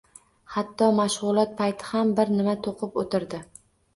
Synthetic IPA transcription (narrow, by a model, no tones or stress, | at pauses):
hat̪ʰːɒmaʃʁʊlˠɒt̪̚pʰajt̪ʰɪ̥hambɪɾnɪmat̪ʰoqʰɨpot̪ʰɪɾd̪ɪ